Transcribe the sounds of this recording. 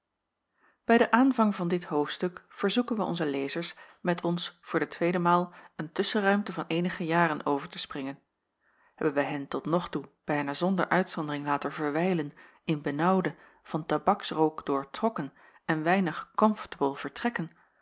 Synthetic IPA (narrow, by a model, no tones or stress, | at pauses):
b̥ɛjdəʔaːnvɑŋvɑndɪtɦowftstɵkfəɹzukənʋəɔ̰nzəlejzəɹs | mɛtʰɔnsfʊːɹdətʋejdəmaːlˠəntɵsərœɥmtəvɑnejnəχəjaːrənowvəɹtəsprɪŋən | ɦɛbənʋɛjɦɛntɔtnɔχtub̥ɛjnaːzɔndə̰ɹʔœɥtsɔndərɪŋlaːtəɹvəɹʋɛjlən | ɪnbənɑwdə | v̥ɑntabɑksrowkd̥ʊːɹtrɔkən | ɛnʋɛjnəχkɔmfə̥təbəlˠv̥əɹtrɛkən